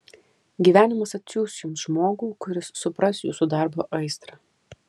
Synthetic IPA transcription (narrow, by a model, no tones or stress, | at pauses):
ɡʲiːʋʲæːnʲɪmɐsɐt̪ʲsʲuːsjʊmsʒmoːɡuːkʊɾʲɪsːʊpɾɐsjṵːsud̪ɑˑɾboːʔɐɪst̪ɾɑ